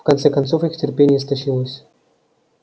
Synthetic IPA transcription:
fkant̪sɛkant̪sofixtʲɪrʲpʲenʲɪjəs̬t̪aɕilˠəsʲ

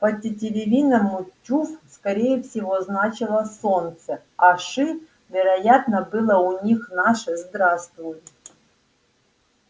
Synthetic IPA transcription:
pətʲɪtʲɪlʲɪvʲinəmʊtʲːufskɐɾʲejɛfsʲɪvoznat͡ɕɪlˠəsont̪sə | aʂɨ | vʲɪɾɐjat̪nəbɨlˠəʊnʲixnaʂɛzd̪ɾast̪vʊjʊ

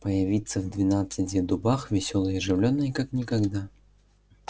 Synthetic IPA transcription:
pəjɪvʲit̪sːəvd̪vʲɪnat̪sɨtʲɪd̪ʊbaxvʲɪsʲolˠəjɪʐɨvlʲonːɨjkaknʲɪkaɡd̪a

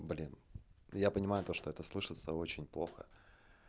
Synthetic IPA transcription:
blʲinjapənʲɪmajʊt̪o̞ʂt̪oɛt̪əslˠɨʂɨt̪səo̞t͡ɕɪnʲplˠoxə̰

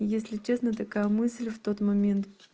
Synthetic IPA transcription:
jesʲlʲɪt͡ɕesnət̪ɐkajəmɨsʲlʲft̪o̞t̪mɐmʲe̞nt̪

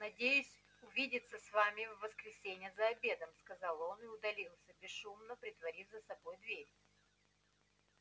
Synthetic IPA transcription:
nɐdʲejʊsʲ | ʊvʲidʲɪt̪səsvamʲɪvːəskɾʲɪsʲenʲɪjəzɐɐbʲe̞d̪əmskɐzɑlˠo̞nɨʊd̪ɐlʲilˠsʲəbʲɪsumnəpɾʲɪt̪vɐɾʲifʲzəsɐbo̞jd̪vʲeɾʲ

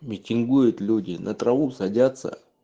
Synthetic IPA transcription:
mʲɪtʲɪnɡujʊt̪lʲudʲɪnʔət̪ɾɐvusɐdʲat̪sə̰

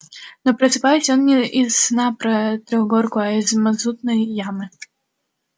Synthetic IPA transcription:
nɔpɾɐsɨpajɛt͡sʲjɔnːʲɛizːnapɾɐt̪ɾɔɣɡɔrkuɐizmazut̪nɐjjamɨ

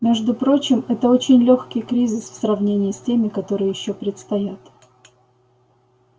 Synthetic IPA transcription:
mʲe̞ʐd̪ʊpɾo̞t͡ɕɪmɛt̪əot͡ɕɪnʲlʲo̞xkʲɪjkɾʲizʲɪsfsrɐvnʲenʲɪːsʲtʲemʲɪkɐt̪o̞ɾɨjjɪɕːo̞pɾʲɪt̪st̪ɐjat̪

